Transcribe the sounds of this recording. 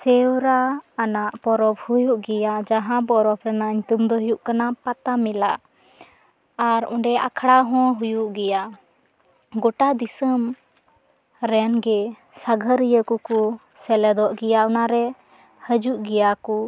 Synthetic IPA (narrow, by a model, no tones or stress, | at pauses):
sɛwɾaːnaʔpɔɾɔbhujuʔɡɛjaʔd͡ʒaɦãbɔɾɔbɾɛnaʔiɲt̪umd̪ɔɦjuʔkanapat̪amilaʔ | aɾɔ̰̃ɳɖɛʔa̰kʰɽaɦɔ̃ɦujuʔɡɛjaʔ | ɡɔʈad̪isəm | ɾɛnɡɛ | saɡʱəɾijəkɔku | sɛlɛd̪ɔʔɡɛjaʔunaɾɛ | həd͡ʒuʔɡɛjaku